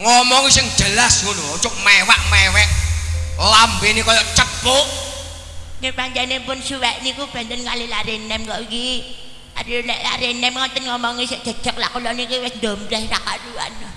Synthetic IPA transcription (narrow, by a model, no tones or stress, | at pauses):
ŋɔmɔŋisɪŋ̥d͡ʒ̥əlasunot͡ʃʊk̚mewaʔ̚mewɛk̚ | lambenikɔjɔt͡ʃəpːuʔ | ŋəpaɲt͡ʃanepʊnsuwɛʔnikub̥a̤nt̪ənkalilaɾenɛmɡɔʔki | adilɛʔla̰ɾenɛmŋɔnt̪ənŋɔmɔŋisɛʔd͡ʒ̥a̤̥d͡ʒ̥ə̤k̚la̰ʔkulɔnikiwɪsnd̪ɔmd̪ɛhrakadua̰n